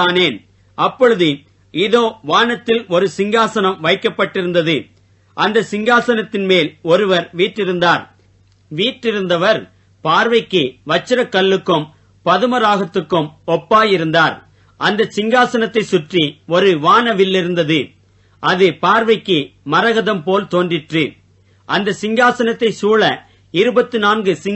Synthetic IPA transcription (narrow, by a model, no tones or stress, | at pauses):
aːneːn | ʔɐpːɔɻɯðɯ | ɪðoːʋaːnɐt̪ːɪlɔɾɯsɪŋɡaːsɐnɐmʋɐɪkːɐpːɐʈːɪɾɯnd̪ɐðɯ | ʔɐnd̪ɐsɪŋɡaːsɐnɐt̪ːɪnmeːlɔɾɯʋɐɾʋiːʈrɪɾɯnd̪aːɾ | ʋiːʈːɪɾɯnd̪ɐʋɐɾ | paːɾʋɐɪkːɯʋɐt͡ʃːɪɾɐkːɐɭːɯkːɯm | pɐðɯmɐɾaːɣɐt̪ːɯkːɯmɔpːaːjɪɾɯnd̪aːɾ | ʔɐnd̪ɐsɪŋɡaːsɐnɐt̪ːɐɪsʊʈriɔɾɯʋaːnɐʋɪlːɪɾɯnd̪ɐðɯ | ʔɐðɯpaːɾʋɐɪkːɯmɐɾɐɣɐðɐmpoːlt̪oːndrɪʈrɯ | ʔɐnd̪ɐsɪŋɡaːsɐnɐt̪ːɐɪsuːɭɐ | ɪɾɯbɐt̪ːɯnaːnɡɯsɪ